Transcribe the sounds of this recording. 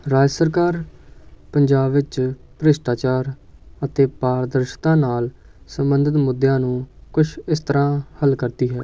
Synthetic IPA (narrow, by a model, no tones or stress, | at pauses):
ɾaːd͡ʒsəɾkaːɾpəɲd͡ʒaːbʋɪt͡ʃpəɾɪsʈaːt͡ʃaːɾət̪eːpaːɾd̪əɾʃt̪ãːnaːl | səmbənd̪ʱət̪mʊd̪jãːnũːkʊʃʰɪst̪əɾãːhəlkəɾt̪iːɦɛː